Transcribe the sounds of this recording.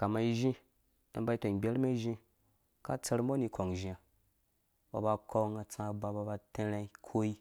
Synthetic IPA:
ka˨ma˨i˦ʒĩ˦ | a̰˨m˦ba˦i˦to˨ɡ͡bʲe˦ɾma˦i˦ʒĩ˦ | ka˦t͡sa˧ɾmo˦ni˧kʰo˨ŋ˨ʒi˨a˨ | ba̰˨ba˧ko˦ŋa˨t͡sã˧˨ba˨ba˧ba˧te˦ɾa˦i˦kʰo˦i˦

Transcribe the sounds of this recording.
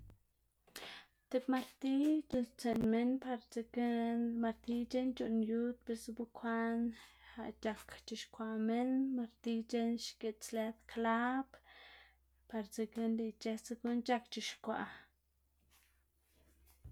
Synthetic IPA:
t̪e˧pma˧ɾt̪i˦t͡ʃu˧nst͡se˧nme˦npa˧ɾt͡se˧kma˧ɾt̪i˧t͡ʃe˦nt͡ʃu˧ʔnju˦t̪̚be˧sbu˧kʰʷa˦nha̰˧˨ʔt͡ʃa˧kt͡ʃi˧˨ʃkʷa˧me˦nma˧ɾt̪i˧t͡ʃe˦nʃke˧˨t͡sle˧d̪kʰla˦p | pa˧ɾt͡se˧ke˧ndi˧t͡ʃe˧t͡se˧ku˦nt͡ʃa˦kt͡ʃi˨ʃkʷa̰˨ʔ

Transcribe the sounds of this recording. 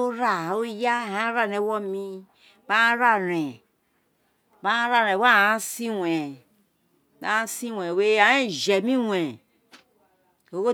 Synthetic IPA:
o˦ɾa˨o˦ja˦˨hã˦ɾa˦ɾɛ˨˦wɔ˦mi˦ | ba˦ɾa˦ɾɛ̃˨ | ba˦ɾa˦˨ɾɛ̃˨wa˦˨ã˦si˦wɛ˨ | ba˦si˦˨wɛ˨we˦a˨˦i˦˨ʒɛ˨mĩ˦wʷɛ˨ | o˨˦wo˦

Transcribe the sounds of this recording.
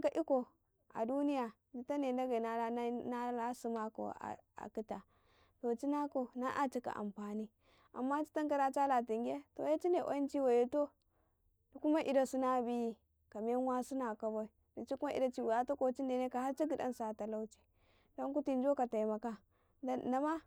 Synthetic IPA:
ka˨ʔi˦ko˨ | a̰˨du˦ni˦ja˨ | di˨ta˦ne˨da˦ɡa˨na˦a˦na˦la˦su˨ma˦ko̰˨a̰˨a̰˨ki˦ta˨ | to˨t͡ʃi˦na˦ko˨na˦ʔa˦t͡ʃi˦ka̰˨ʔa̰˨mpa˨ni˦ | a̰˨mːa˦t͡ʃi̥˦ta˦ŋka˦ɾa˦t͡ʃa˦la˨ti˨ŋɡʲe˦to̰˨ja˦t͡ʃi˦ne˨ʔo̰˦i˦nt͡ʃi˦wa˨je˨to˦ | du˨ku˦ma˦ʔi˨da˨su˦na˦bi˦ji˦ | ka˨m˦a˦nwa˦su˦na˨ka˨bo˦i˨ | di˨t͡ʃi˦ku˦ma˦i˨da˦t͡ʃi˦wa˨ja˦to˦ko˨t͡ʃi˦nde˨ne˦ka˨ha˦t͡ʃi˦ɡi˨da̰˦nsa˨ta˨la˦wt͡ʃi̥˨ | do˦ŋku˦ti˦n˦d͡ʒo˦ka˨ta˨ma˨ka˦ | da˦ma˦

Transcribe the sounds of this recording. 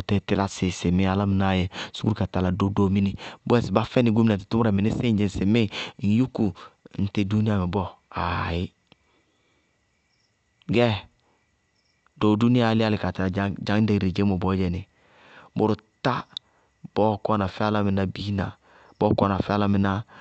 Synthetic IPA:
o˨tɛ˨tɪ˦la˦sɪ˨sɪ˨mɪ˦a˨la˦mi˨˦na˨jɛ˦su˦ɡka˨ta˨la˨do˦do˨˦mi˦ni˨bu˦ɛ˦˨si˨ba˦fɛ˦ni˨ɡu˦mi˦na˨ti˨tu˦m˦ɾɛ˨mɪ˨ni˦sɪ˦d͡ʒi˨sɪ˨mɪ˦˨n̩˨ju˦ku˨n̩˨te˨du˦ni˦a˦˨mɛ˨bɔ˦a˨jɪ˦ | ɡɛ˦ | do˨du˦ni˦a˦˨˦lɪ˦a˦lɪ˨ka˨ta˨a˨˦d͡ʒa˦ŋ˦de˨ɾe˨d͡ʒe˦mo˨bɔ˦d͡ʒɛ˨nɪ˨ | bʊ˨ɾu˨ta˦ | b̥ɔ˦kɔ˦na˨fɛ˦a˦la˦mi˨na˦bi˦na˨ | bɔ˦kɔ˦˨na˨fɛ˦a˦la˦mi˨˦na˦

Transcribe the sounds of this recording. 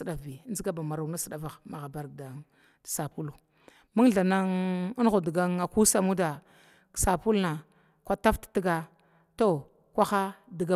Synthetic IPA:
ɗa˨vi˨˦n˦zi˦ɡa˦ba˨ma˨ɾa˨na˦sə˨ɗa˨va˨ɣma˨ɣa˨ba˨ɾɡda˨ŋ˨ | sa˨pu˦lu˨ | ma˦ŋɮa˨na˦ŋi˦n˦ɣu˨di˨ɡa˦ŋa˨ku˦sa˨mu˦dḁ˨ | sa˨pu˦lna˨ | kʷa˦ta˦ftḁ˨ti˦ɡa˦ | to˦ | kʷa˦xa˦di˨ɡa˦

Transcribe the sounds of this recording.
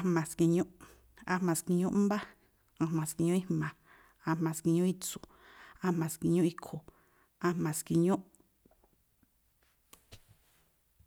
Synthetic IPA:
a˧mã˨ski˧˨ɲũ˦ʔ | a˧mã˨˧ski˧ɲũ˦ba˦ | ã˧mã˨ski˧ɲũ˦i˦hmã˨ | ã˧mã˨ski˧ɲũ˦i˦t͡su˨ | ã˧mã˨ski˧ɲũ˦i˦kʰo˨ | ã˧mã˨ski˧ɲũ˦ʔ

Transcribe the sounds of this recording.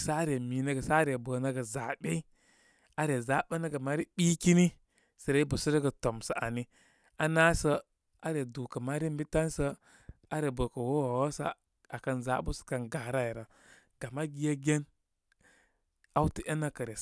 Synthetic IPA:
sa˦ɾe˨mi˨nə˦ɡə˨sa˦ɾe˨bə˨nə˦ɡə˨za˨ɓe˦i˦ | a˦ɾe˨za˨˦ɓe˦nə˦ɡa˨ma˦ɾi˦ɓi˦ki˦ni˦ | sə˨ɾe˦i˦bə˨sə˦ɾə˦ɡə˨to˨msə˨a̰˨ni˦ | a˦na˦sə˦ | a˦ɾe˨du˨kə˨ma˦ɾi˦mbi˦ta˦nsə˦ | a˦ɾe˨bə˨kə˨wo˦wo˨wo˦sa̰˦ | a˨kə˨nza˨˦bu˦ska˨nɡa˨ɾa˦i˨ɾə˨ | ɡ̥a˨ma˦ɡi˦je˦ɡʲe˦n | a˦wti˨ʔe˦nə˦kə˨ɾe˨

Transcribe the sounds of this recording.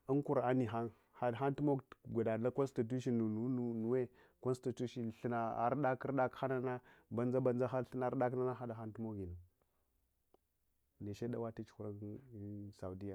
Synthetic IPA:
ə˦ŋku˨ɾa˦ni˨ɦa˦n | ha˨dxa˦ntu˦mo˦ɡɡʷa˨da˨la˦ko˦nsti˨t̬u˦ʃi˦u˨nu˦u˦nu˨we˦ | ko˦n˦sti˨tu˦ʃi˨ɬə˨na˨a̰˨ɾɗa˦kə˦ɾɗa˦kxa˦na˦na˦ba˨nd͡za˦ba˨nd͡ʒa˦xa˦ɬə˦na˨˦ɾɗa˦kna˦na˦xa˦da˨xa˦ntu˦mo˦ɡi˨nu˨ | ne˨ʃe˦da˦wa˦ti˦t͡ʃxu˨ɾa˦n˦ | sa˨u˨di˦ja˨

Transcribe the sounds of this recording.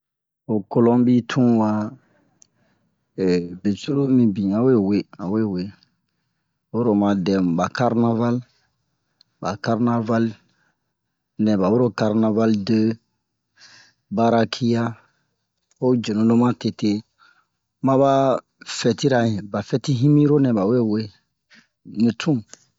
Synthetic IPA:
o˨ko˦lõ˦mbi˦tʰũ˦wa˦˨ | be˨su˦ɾo˦mĩ˨bĩ˨ã˨we˦˨we˦a˨we˦˨we˨ | wo˦ɾo˦˨mã˨dɛ̃˨m˨ba˨ka˦ɾna˦va˦l | ba̰˨ka˦ɾna˦va˦l | nɛ̃˨ba˨wo˦ɾo˦ka˨ɾna˨va˦lde˦ | ba˦ɾa˦kʰi˦ja˦ | o˦d͡ʒe˨nõ˨lo˦mã˦te˨te˦ | mã˦βa˦ | fɛ˨ti˦ɾa˨ĩ˨ba˨fɛ˦ti˦ɦĩ˦mĩ˦ɾo˦nɛ̃˨ba˨we˦˨we˦ | nĩ˨tʰũ˦

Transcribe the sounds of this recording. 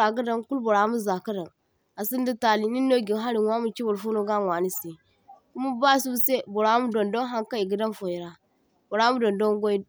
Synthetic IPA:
ɾa˨ɡə˦da˦nku˦lbo˨ɾa˨˦mu˦za˨ka˦da˨n | a˨si˦ndi˦ta˨li˨ni˦no˦ɡi˨˦ɦa˦ɾi˨wʷa˦mu˨t͡ʃi˦bo˨ɾfu˦no˦ɡa˦ŋwa˨ni˦si˨ | ku˦mu˦ba˦˨su˦bu˦se˦bo˨ɾa˨˦mu˦do˨ndo˦ŋɦa˦ŋka˦i˨ɡə˦da˦nfo˨ji˨ɾa˨ | bo˨ɾa˦mu˦do˨ndo˦ŋɡo˦i˦

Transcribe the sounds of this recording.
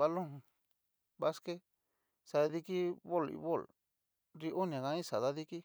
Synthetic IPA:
a˧lõ˦˨˧ | βa˦ske˦ | sa˧ði˧ki˦βo˦˨lḭ˧βo˦˨l | ɾi˧ʔo˦nĩ˧ã˨ɣã˧˦ĩ˦sa˨ða˦ði˦ki˦

